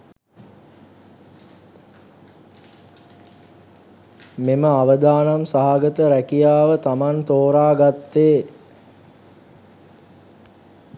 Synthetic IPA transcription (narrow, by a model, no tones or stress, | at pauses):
meməaʋəd̪aːnamsaɦaɡət̪əɾækijaːʋət̪amant̪oːɾaːɡat̪ːeː